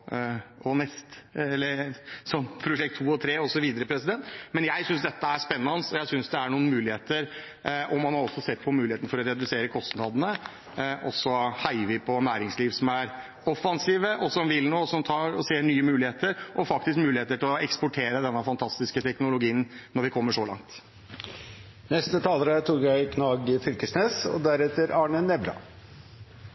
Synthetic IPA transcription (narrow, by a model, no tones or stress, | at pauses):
ɔnɛst̪ɛlːəɾsɔmpʰɾʊʂɛk̚t̪ʰːuːɔt̪ʰɾeːɔsɔʋiːd̪əɾəpʰɾɛsɪd̪ɛnt̪mɛnjæɪsʏnsd̪ɛt̪ːəæʂpɛnːɑnəsɔjæɪsʏnsd̪ɛæɳuːənmʉːlɪheːt̪əɾ | ʔɔmːɑnhɑɾɔsːɔsɛt̪ːpʰɔmʉːlɪeːt̪nəfɔɾɔɾɛd̪ʉseːɾəkʰɔst̪nɑd̪nə | ʔɔsːɔhæɪʋɪpʰɔnæːɾɪŋsliːʋsɔmæɾ | ɔfɑnsiːʋəʔɔsɔmʋɪlnoːsɔmt̪ʰɑːɾɔseːɳyːəmʉːlɪheːt̪əɾʔɔfɑk̚t̪ɪskmʉːlɪheːt̪əʈʰɪlɔɛkspʊʈʰeːɾəd̪ɛnːəfɑnt̪ʰɑst̪ɪskət̪ʰɛknʊlʊɡiːənnɔɾʋɪkʰɔmːəʂɔlɑ̰ŋt̪ | nɛst̪ət̪ʰɑːləɾət̪ʰuːkjæɪkʰnɑːɡəfʏlkəsneːsɔ̰d̪æɾɛt̪əɾɑːɳənɛbɾɑ̰